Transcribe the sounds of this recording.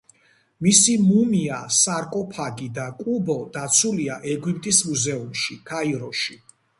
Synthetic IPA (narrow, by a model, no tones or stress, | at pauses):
misimumiasaɾkʼɔpʰaɡid̪akʼubɔd̪at̪sʰuliaʔɛɡwip̚ʰʼt̪ʼismuzɛumʃikʰaiɾɔʃi